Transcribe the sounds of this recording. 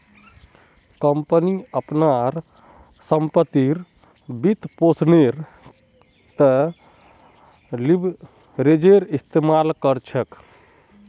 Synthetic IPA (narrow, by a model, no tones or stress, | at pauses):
kəmpəniəpnaɾ | səmpət̪ːiɾ | bit̪posneɾ | t̪ə | lib | ɾed͡ʒeɾist̪emalkəɾt͡ʃʰək